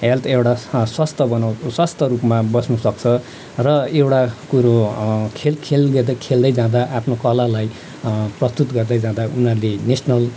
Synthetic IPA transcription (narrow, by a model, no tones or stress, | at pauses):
ɦelt̪ʰewʈaswast̪ʰʌbʌnawswast̪ʰʌɾupmabʌsnusʌk̚t͡sʰʌ | rʌewʈakuɾokʰelkʰelɡ̪ed̪ʌkʰeld̪ʌjd͡zãd̪aʔapʰnokʌlalaj | prʌst̪ut̪ɡʌrd̪ʌjd͡zãd̪aunɦʌrlenesnʌl